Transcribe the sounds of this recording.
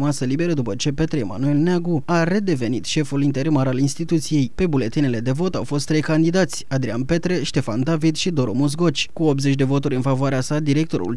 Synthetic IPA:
masəlibe̞ɾəd̪upət͡ʃe̞pe̞t̪ɾeema̰nue̞lneaɡuaɾe̞d̪e̞ve̞nit̪ʃe̞fulint̪e̞ɾimaɾalinst̪it̪ut̪sije̞jpe̞bule̞t̪inele̞d̪e̞vo̞t̪awfo̞s̬t̪ːɾe̞jkand̪id̪at̪sʲad̪ɾianpe̞t̪ɾe̞ʃt̪e̞fa̰nd̪avid̪ʃid̪o̞ɾomus̬ɡo̞t͡ʃʲkuo̞p̪ze̞t͡ʃʲd̪e̞vo̞t̪uɾʲɨnfavoaɾeasad̪iɾe̞k̚t̪o̞ɾṵl

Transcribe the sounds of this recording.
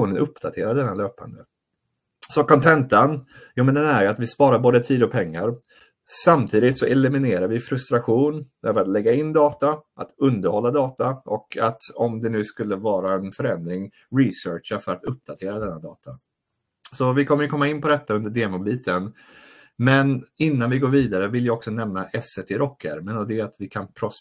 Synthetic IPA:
uːnənʔɵpːd̪at̪ʰeːɾaɖ̪ɛnːaløːpa̰nd̪ə | sɔkʰɔnt̪ʰɛnt̪ənjuːmɛnd̪ɛnæɾjɵat̪vɪspɑːɾaɾboːd̪ət̪ʰiːd̪ɔpʰɛŋːaɾ | samt̪ʰiːd̪ɪt̪sɔʔɛlɪmɪneːɾaɾvɪfɾɵst̪ɾaɧuːnøːvəɾat̪lɛɡːaɪnːd̪ɑːt̪aʔat̪ɵnd̪əɾhɔlːad̪ɑːt̪aʔɔkʰat̪ɔmd̪ɛnʉ̟ːskɵlːəvɑːɾaɛnfœɾɛnd̪ɾɪŋ | ɾɪsœːʈʂafœɾat̪ɵp̚d̪̥at̪ʰeːɾad̪ɛnːad̪ɑːt̪ʰa | sɔvɪkʰɔmːəjɵkʰɔmːaɪnpʰɔd̪ɛt̪ːaɵnd̪əɖeːmʊbiːt̪ʰən | mɛnɪnːanvɪɡoːɾviːd̪aɾəvɪljaɔksɔnɛmnaʔɛsːɛt̪ʰɪɾʔɔkʰːə̰ɾmənɔd̪ɛat̪vɪkʰanpʰɾɔ

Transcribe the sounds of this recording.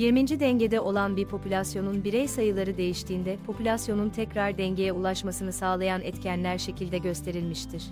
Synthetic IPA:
jiɾmind͡ʒid̪ɛɲɟe̞d̪ɛʔo̞lˠanbiɾpʰo̞pʰylʲasjo̞nunbiɾɛjsajɯlˠaɾɯd̪e̞jiʃt̪ʰiːnd̪ɛpʰo̞pʰylʲasjo̞nunt̪ʰɛcɾaɾd̪ɛɲɟe̞jɛulˠaʃmasɯnɯsaːlˠajanɛt̪cʰænlʲæɾʃe̞cʰilʲd̪ɛɟø̞st̪ʰe̞ɾilʲmiʃt̪ʰiɾ̥

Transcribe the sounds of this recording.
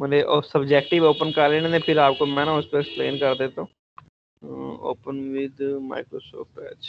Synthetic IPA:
mʊd͡ʒeʔosəbd͡ʒɛːk̚ʈɪʋoːpənkəɾleːnẽnẽpʰɪɾaːpkoːmɛ̃ːnãʊst̪õːksplḛːnkəɾd̪eːt̪õː | o̰ːpənʋid̪ma̰ːɪkɾo̰ːso̰ːfʈɛ

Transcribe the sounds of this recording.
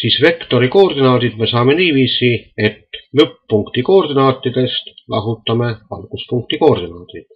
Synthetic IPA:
sisʋekt̪orikoːrd̪inɑːt̪it̪mesɑːmːeniːʋisːˑiːet̪møpuŋkt̪ikoːrd̪inɑːt̪ːit̪est̪lɑ̰hut̪ːɑmːeʋɑ̰lkuspuŋkt̪ikoːrd̪inɑːt̪it̪

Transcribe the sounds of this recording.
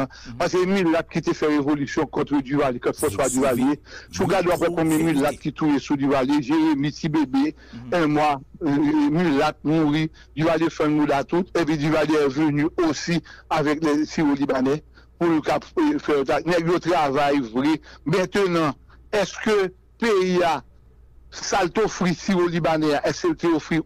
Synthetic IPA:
pas̬emilːat̪̚kit̪efɛʁevolysjɔ̃kɔ̃t̪ɾød̪yvalekɔ̃t̪fɔ̃swad̪yvalesuɡadoap̬wɛkɔ̃bjɛ̃milːat̪̚kit̪ujesud̪yvaleʒeɣemitibebe | ɛ̃mwa | millat̪̚muʁi | d̪yvalefɛ̃nmudat̪ut̪ep̬ĩd̪yvaleɛvønyosiavɛklɛsiɣolibanɛ | pulkafɛjot̪anɛɡjot̪ʁavajvʁɛmɛ̃t̪ønɐ̃ | ɛskø | peia | salt̪ofɣisiɣolibanɛaʔɛskelt̪eofʁi

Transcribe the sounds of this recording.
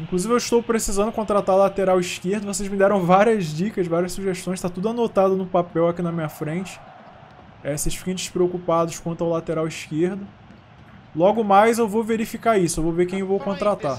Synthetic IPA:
ĩkluzivɪewɪiʃt̪owpɾesizɐ̃nd̪ʊkõnt̪ɾat̪aɾlat̪eɾawiʃkeɾd̪ʊvos̬ezmɪd̪ɛɾɐ̃w̃vaɾiɐzd͡ʒikɐʃvaɾiɐsuʒeʃt̪õj̃st̪at̪ud̪ʊanot̪ad̪ʊnʊpapɛwakinɐmĩɲɐfɾẽt͡ʃɪ̥ | ɛseʃfikɐ̃d͡ʒɪʃpɾeokupad̪ʊʃkwɐ̃nt̪ʊawlat̪eɾawiʃkeɾd̪ʊ | lɔɡʊmajzewvowveɾifikaisʊewvowvekẽj̃ewvowkõt̪ɾat̪a

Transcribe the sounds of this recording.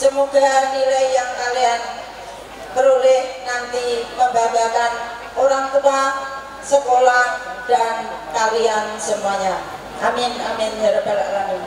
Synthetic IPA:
səmuɡ̥aniɾaijaŋkalian | kəɾulɪhnant̪iməmbaɡakan | oɾaŋk̪unaŋ | səkolahd̥ankaɾiansəmuaɲa | ʔamɪna̰mɪnɦaɾəbalaʔlani

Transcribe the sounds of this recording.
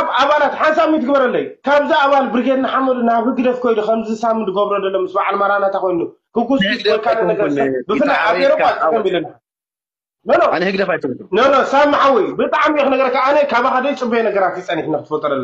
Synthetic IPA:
βaβalat̪ħansamit̪ʰɨɡbɐɾɐlːɐjukʰaβziaβalbɨɾɡʲet̪nɨħamɐd̪unaβhɨɡd̪ɐfkʰojnukʰɐmzisamɨnd̪ɨɡoβɾod̪ɐlːomɨsbaʕalmaɾanat̪ʰakojnukʰɨɡusɐkʰad̪ɐɐɡɐɾbɨfɨlːaaeɾɐakʰɐmbilɐn | nononhɨɡ̪ɐft̪nonosamːaħawijbɨt̪ʼaʕmiɛxɨnɐɡɐɾɐkaanekʰaβaxad̪ɐjt͡sʼɨbenɐɡɐɾat̪jɨt͡sʼɐniħnaxɨt̪ʰɨfot̪ʼːɐlɐlːo

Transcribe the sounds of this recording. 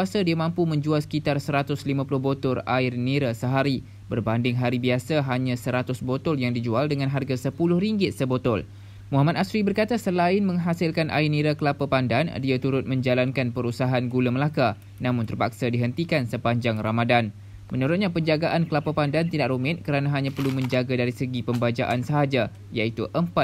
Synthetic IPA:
asadiamãmpumə̃ɲd͡ʒualsə̥kit̪arsəɾat̪ʊslimãpulʊhɦbot̪ʊra̰ɪrniɾasəɦaɾi | bərbandɪŋɦaɾibiasaɦaɲãsəɾat̪ʊsbot̪ɔljaŋdid͡ʒualdəŋãnɦarɡasəpulʊhɾiŋɡɪt̪̚səbot̪ɔl | muɦamat̪̚asɾibərkat̪asəlaɪnmə̃ŋɦasɪlkanʔa̰iniɾakəlapəpandandiat̪uɾʊt̪̚mə̃ɲd͡ʒalankanpəɾusaɦanɡuləməlaka | nãmʊnt̪ərpak̚sadiɦənt̪ikansəpaɲd͡ʒaŋramadan | mə̃nuɾʊt̪̚ɲapəɲd͡ʒaɡaʔankəlapəpandant̪idaʔrumɪt̪̚kəɾanãɦaɲãpərlumə̃ɲd͡ʒaɡadaɾisəɡipəmbad͡ʒa̰ʔansəɦad͡ʒa | jait̪uʔəmpa

